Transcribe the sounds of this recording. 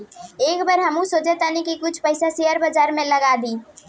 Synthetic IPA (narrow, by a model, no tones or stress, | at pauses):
ekbəɾɦəmũsod͡ʒet̪anikikut͡ʃʰpəɪsaseɦəɾbəd͡ʒaɾmeləɡad̪i